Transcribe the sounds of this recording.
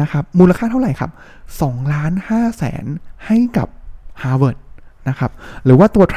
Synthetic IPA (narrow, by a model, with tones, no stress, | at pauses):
a˦˥kʰa˦˥p̚muː˧la˧kʰaː˥˩t̪ʰa˥˩ɾa˨˩jkʰa̰˦˥˩p̚ | sɔː˩˦ŋlaː˦˥nhaː˥˩sɛ̰ː˩˦nha˥˩jka̰˨˩p̚haː˧wɤː˨˩t̪̚na˦˥kʰa˦˥p̚ɾɯː˩˦waː˥˩t̪u˧˩ɐt̪ʰ